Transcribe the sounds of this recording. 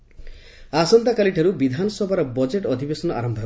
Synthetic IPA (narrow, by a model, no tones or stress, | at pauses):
asɔnt̪akaliʈʰaɾubid̪ʱanɔsɔbʱaɾɔbɔd͡ʒeʈɔd̪ʱibesɔnɔʔa̰ɾɔmbʱa